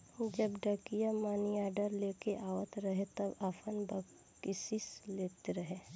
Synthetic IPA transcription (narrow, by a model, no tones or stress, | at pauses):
d͡ʒɐbɖɐkijamaːniaːɖəɾleːkeʔaːwət̪ɾɐɦet̪ɐbaːfʰənbə | kɪsɪsleːt̪eɾɐɦeː